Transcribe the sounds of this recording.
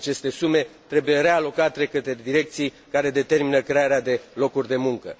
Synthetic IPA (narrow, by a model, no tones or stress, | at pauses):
at͡ʃe̞st̪e̞sume̞t̪ɾe̞buje̞ɾe̞alo̞kat̪ɾekət̪ed̪iɾe̞k̚t̪sij | kaɾe̞d̪e̞t̪e̞rminəkɾeaɾead̪e̞lo̞kurʲd̪e̞muŋkə̰